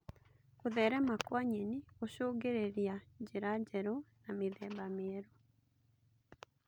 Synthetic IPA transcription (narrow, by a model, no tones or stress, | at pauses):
koðɛɾɛmakwaɲenioɕoːɡeɾeɾjad͡ʑeɾad͡ʑɛɾɔnameðɛbameɛɾo